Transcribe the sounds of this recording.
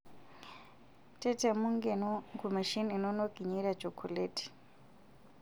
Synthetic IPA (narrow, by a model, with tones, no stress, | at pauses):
tʼɛ˦tʼɛ˨mu˦ŋɡe˨nɔ˦ŋɡu˨ma˨ʃi˦ni˨nɔ˦no˦kʼi˨ɲi˦ɾat͡ʃo˨kʰu˨leːtʰi̥˨